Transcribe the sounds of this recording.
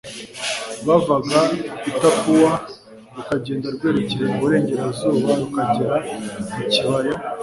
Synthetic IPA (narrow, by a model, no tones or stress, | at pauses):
βavaɡaitapuwa | ɾukaɟe̞ːndaɾɡwe̞ːɾeceɾe̞muβuɾe̞ːɲɟe̞ɾazuːβaɾukaɟiɾaiciβaɾa